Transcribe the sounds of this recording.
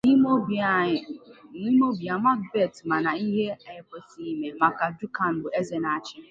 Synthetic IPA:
i˦o˦˨ | ni˦mo˦bja˨ma˦k̚be˦˨tma˨na˨i˦ɦe˦e˦ke˨si˦me˨ma˨ka˨du˦ka˨n̩˨bʊ˨e˦ze˨na˦˨t͡ʃɪ˦

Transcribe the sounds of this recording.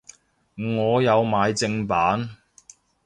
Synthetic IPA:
ŋɔː˨˧jɐ˨˧wmaː˨˧jt͡sɪ˧ŋpaː˨˥n

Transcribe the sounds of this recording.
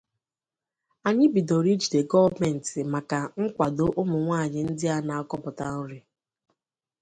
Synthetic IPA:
a˨ɲɪ˦bi˨do˨ɾi˦d͡ʒi˨de˨ɡɔ˦vme˨n̩˨tɪ˨ma˨ka˨ŋ̩˦kʷa˨do˦ʔʊ˦mʊ˨ŋʷaː˦˨ɲɪ˨n̩˦dɪ˦a˦na˨a˦kɔ˦pʊ˨ta˨n̩˦ɾɪ˨

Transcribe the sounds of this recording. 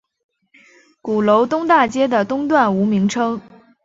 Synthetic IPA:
ku˨˩lo˧˥ʊt̪ʊ˥ŋt̪a˥˩t͡ɕjɛ˥d̪ə˨t̪ʊ˥ŋt̪̬wa˥˩nu˧˥mi˧˥ŋʈ͡ʂʰɤ˥ŋ

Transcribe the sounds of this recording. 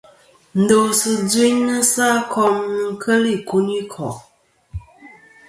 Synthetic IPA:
n̩˨do˨sɨ˨d͡zi˦ɲnɨ˦sa˦kʰɔ˦mnɨ˦ŋ˦kʰə˦li˦˨ku˦ni˦kʰɔ˨ʔ

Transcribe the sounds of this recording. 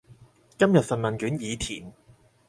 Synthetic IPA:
kɐ˥mjɐ˨t̚fɐ˨n̚mɐ˨nkyː˨˥njiː˨˧t̪ʰḭː˨˩n

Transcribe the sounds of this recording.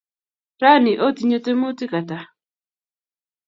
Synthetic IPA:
ɾa˦nɪ˨ʔo˦t̪i˨ɲo˦te˦mo˦ti˦ka˨ta˨

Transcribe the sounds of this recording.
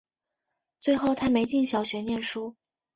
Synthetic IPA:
t͡swe˥˧ɪxo˥˧ʊt̪ʰa˥me˧˥ɪt͡ɕi˥˩nɕjɑ˨˩ʊɕɥɛ˧˥njɛ˥˩nʂu˥

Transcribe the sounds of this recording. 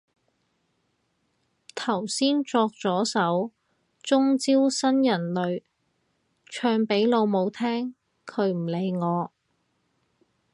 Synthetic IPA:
t̪ʰɐ˨˩wsiː˥nt͡sɔː˧k̚t͡sɔː˨˥sɐ˨˥w | t͡sʊ˥ŋt͡siː˥wsɐ˥njɐ˨˩nlɵ˨˧ɥ | t͡ʃʰœː˧ŋpe˨˥jlo˨˧wmo˨˧wt̪ʰɛː˥ŋ | kʰɵ˨˧ɥm̩˨˩le˨˧jŋɔː˨˧

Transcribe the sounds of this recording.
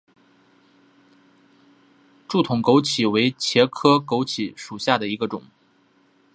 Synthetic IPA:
ʈ͡ʂu˥˩t̪ʰʊ˨˩ŋko˧˥ʊt͡ɕʰi˨˩we˧˥ɪt͡ɕʰjɛ˧˥kʰɤ˥ko˧˥ʊt͡ɕʰi˧˥ʂu˨˩ɕja˥˩d̪ə˩i˧˥ɡə˧ʈ͡ʂʊ̰˨˩˦ŋ

